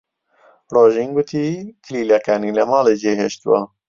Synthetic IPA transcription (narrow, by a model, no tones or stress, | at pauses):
roːʒiŋɡʊt̪ʰiːkʰɪliːlɛkaːnilɛmɑːleːd͡ʒeːɦeʃt̪uwɑ̰